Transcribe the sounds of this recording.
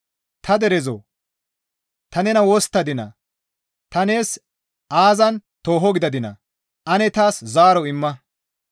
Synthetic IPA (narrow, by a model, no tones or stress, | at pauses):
t̪ʰɐd̪ɛɾɛzo̰ː | t̪ɐnɛnɐwɔst̪ːɐd̪ɪnɐ̰ | t̪ɐne̞ːs | ʔaːzɐnt̪o̞ːɦɔɡɪd̪ɐd̪ɪnɐ̰ | ʔɐnɛt̪aːszaːɾɔɪmːɐ